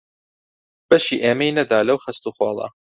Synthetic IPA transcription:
b̥ɐʃiːʔeːmejnɐd̪aːlɐwxɐst̪uːxɑːlˠɐ̰

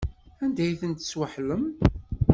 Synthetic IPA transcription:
ænd̪æjθənt̪swaħləm

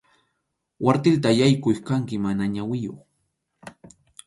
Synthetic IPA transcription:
waɾt̪ɪlt̪ajajkʊjkaŋkɪmanaɲawɪjo̰χ

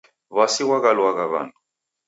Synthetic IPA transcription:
βasiwaɣalwaɣaβa̰ːntʼu

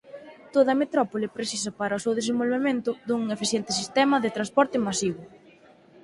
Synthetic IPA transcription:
t̪oðɐmet̪ɾɔpolɪpɾesis̬ɐpaɾɐʊsewðes̬ẽmbolβemẽnt̪ʊðuŋefiθjɛnt̪ɪsist̪ɛmɐðɪt̪ɾanspɔɾt̪ɪmasiβʊ

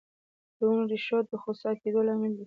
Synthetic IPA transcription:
d̪̥əʊnɾiʃot̪̚d̪əxosɑked̪olɑmɪld̪i

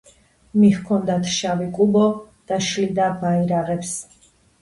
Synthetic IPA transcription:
mihkʰɔnd̪at̪ʰʃavikʼubɔ | d̪̥aʃlid̪abaiɾaʁɛps

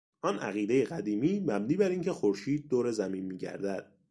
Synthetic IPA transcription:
ʔɒːnʔæ̰ɣiːd̪e̞jeɣæd̪iːmiːmæbniːbæɾiːncʰe̞xoɾʃiːd̪̚ːoːɾe̞zæmiːnmiːɟæ̰ɾd̪æd̪̥̚

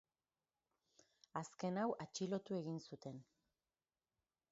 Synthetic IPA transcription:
aske̞nawʔat͡ʃilo̞t̪ue̞ɣinsut̪e̞n

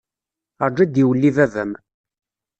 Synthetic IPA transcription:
əɾˤd͡ʒæd̪iwəlːiðævəm

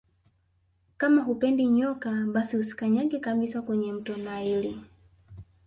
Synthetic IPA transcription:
kamaɦupɛndiɲɔkaɓasihusi̥kaɲaɡɛkaɓisakwɛɲɛm̩tɔnaili

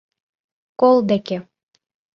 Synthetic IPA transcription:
kolˠd̪eke

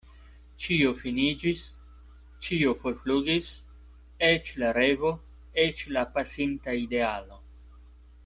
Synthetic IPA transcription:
t͡ʃiofinid͡ʒis | t͡ʃio̞folfluɡis | et͡ʃlaɾe̞vo̞ | e̞t͡ʃlapasintaide̞alo̞

